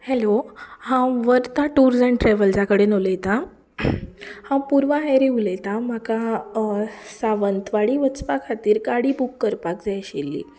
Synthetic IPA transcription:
hɛlohãʋəɾt̪aʈuɾd͡zɛ̃ɳʈɾɛʋəld͡zjakəɽenolet̪a | hãpuɾʋaɦɛɾiɦulet̪am̤aka | saʋənt̪ʋaɽiːʋət͡spakʰat̪iːɾkaɽiːbukːəɾpakd͡zajɕelːḭː

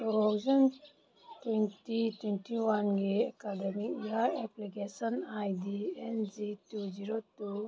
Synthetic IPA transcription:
tuɾɔɡzɔn | twentitwentiwanɡiekademik̚iaɾeplikesɔnajdiend͡ʒitud͡ʒiɾotu

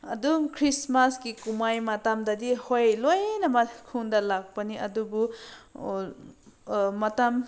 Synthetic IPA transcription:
ɐ̰dukʰɾismaskikumajmatamdɐdihojlojnɐmɐkʰuŋdɐlak̚pɐniɐdubu | mɐtam

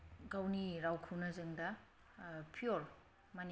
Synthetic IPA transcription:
ɡawniɾawkʰɯwnɐzɯŋdɐ | pʰijoɾ | man

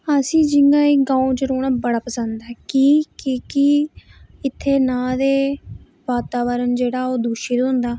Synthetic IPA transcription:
əsĩːd͡ʒɪŋɡãːiɡãːũt͡ʃəɾoːɽ̃aːbəɽaːpəsənd̪aːkiːkiːki | ɪt̪ʰːeːnãːd̪eː | ʋaːt̪aːʋəɾənd͡ʒeːɽaːoːd̪uːʃiːd̪oʊnd̪aː

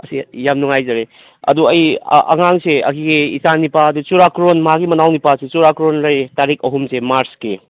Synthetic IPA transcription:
ɐsijamnuŋajzɐɾe | ɐ̰duɐjɐ̰ŋaŋseɐ̰kiɡiisanipaːdut͡ʃuɾakɾonmɐɦaɡimɐnawnipaset͡ʃuɾakɾonlɐjtaɾik̚ɐɦumsemaɾski

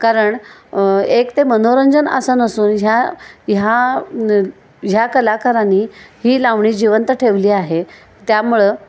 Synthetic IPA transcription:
kaɾəɳ | ekt̪emənoɾəɲd͡zənə̰sənəsuːnɦjaja | ɦjakəlakaɾaniːhiːlaʋɳiːd͡ʑiʋənt̪əʈʰeʋliːaɦe | t̪jamuɭe

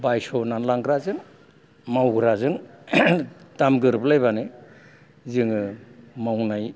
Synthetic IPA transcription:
bajsɔnanlaŋɡɾazɯŋ | mawɡɾazɯŋ | tamɡɯɾblajβanɯ | zɯŋɯmawnaj

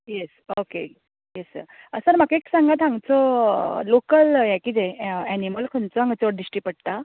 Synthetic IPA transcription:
jesoke | jesə̰ɾəsəɾm̤akaeksãŋɡat̪ãŋɡt͡sɔlokəljɛkid͡zẽæniməlkʰənt͡sɔãŋɡət͡sɔɽ̚ɖisʈipəɽt̪a

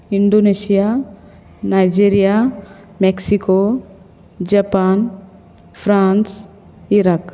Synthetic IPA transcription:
iɳɖonesija | najd͡ʒeɾija | meksiko | d͡ʒapan | fʰɾans | iɾak

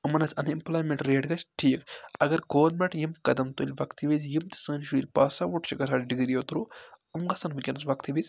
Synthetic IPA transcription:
ɨmɐnɐt͡sʲɐnimploːjmʲeɳʈɾeːɽɡɐt͡ʃʲʈʰiːkɐɡɐɾɡoːnmeʈjimkɐd̪ɐmt̪ulʲʋɐkt̪ʰiʋizjimt̪i̥sɨːnʃuːlʲpaːsaʋuʈʃiɡɐsaːɽɖiɡiɾjot̪uɾuɨmɡɐsɐnʋɨkʲɐnɐsʋɐkt̪ʰiʋizʲ

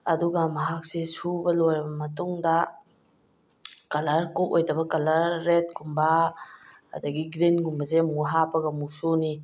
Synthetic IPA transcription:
ɐduɡɐmɐɦak̚sesubɐlojɾɐbɐmɐtuŋdɐ | kɐlaɾkupojdɐbɐkɐlaɾːet̚kʰumba̰ː | dɐɡiɡɾinɡumbɐzemuŋuɦapɐɡɐmusuni

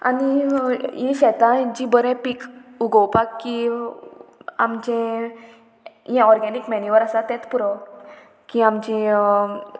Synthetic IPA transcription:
a̰nijĩɕɛt̪ãd͡ʑĩbəɾɛ̃pikuɡɔwpakːi | a̰md͡ʑɛ̃ | jãɔɾɡɛnikmɛnjuʋəɾasat̪ɛ̃t̪puɾɔ | kiamd͡ʑi

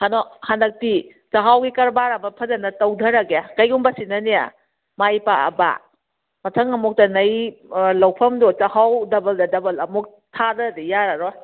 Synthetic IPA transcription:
hanɔhandɐk̚ti | t͡ʃɐɦawɡikɐɾbaɾɐmɐpʰɐdɐnɐtɐwdʱɐɾɐɡeakɐjumbɐsinɐnija̰ | majpaɐ̰ba̰ | mɐtʰɐŋɐmuk̚tɐnɐjlɐwpʰɐmdot͡ʃɐhawdɐbɐldɐdɐbɐlɐmuk̚ | tʰadɐdijaɾaɾɔ

